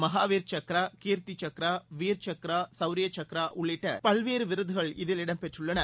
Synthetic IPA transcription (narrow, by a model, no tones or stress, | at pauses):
mɐɦaːʋiːɾt͡ʃɐkɾaːkiːɾt̪it͡ʃɐkɪɾaːʋiːɾt͡ʃɐkɪɾaːsɐʊɾɪjɐt͡ʃɐkɪɾaːʔʊɭːɪʈːɐ̰pɐlʋeːɾɯʋɪɾɯðɯɣɐɭɪðɪlɪɽɐmpɛʈrɯɭːɐnɐ